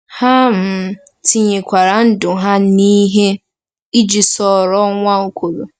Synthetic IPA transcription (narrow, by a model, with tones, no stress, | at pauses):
ha˦m̩˨˦ | ti˨ɲe˨kʷa˨ɾa˨n̩˦dʊ˨ɦa˦ni˦ɦe˦ | i˦d͡ʒi˨sɔ˨ɾɔ˦ŋʷa˦o˦kʷo˨ɾo˨